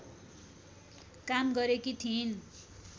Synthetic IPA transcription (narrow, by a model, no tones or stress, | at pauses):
kamɡʌɾekit̪ʰin